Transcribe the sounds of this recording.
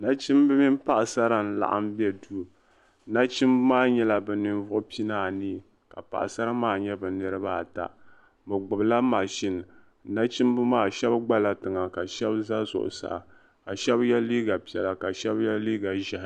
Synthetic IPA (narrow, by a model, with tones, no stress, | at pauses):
na˦t͡ʃɪ˦mbɨ˦mi˦mpa˦ʔsa˦ɾa˨n̩˨la̰˨ʔa̰˦mbɛ˦du˦˨ | na˦t͡ʃɪ˦mbmaː˦ɲɛ˦la˨bɛ˨nɨ˨nvʊ˦ʔʊ˦pi˦naː˦˨ni˦ | ka˨pa̰˨ʔsa˦ɾa˦maː˦˨ɲɛ˦bɨ˨nɨ˦ɾɨ˦ba˦˨ta̰˨ | bɨ˨ɡ͡bʊ˨bla˦ma˨ʃɪ˦n̩˨ | na˦t͡ʃɪ˦mbɨ˦maː˦˨ʃɛ˦bɡ͡ba˦la˨tɨ˨ŋa˨ka˨ʃɛ˦bza˦zʊ̰˨ʔʊ̰˨sa̰˨ | ka˨ʃɛ˦bjɛ˦lːiː˦ɡa˨pi˨ɛ˨la˨ka˨ʃɛ˦bjɛ˦liː˦ɡa˨ʒɛ˦h